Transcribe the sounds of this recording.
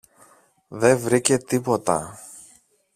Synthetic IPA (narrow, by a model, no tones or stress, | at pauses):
ðe̞ɱvɾice̞t̪ipo̞t̪ɐ̰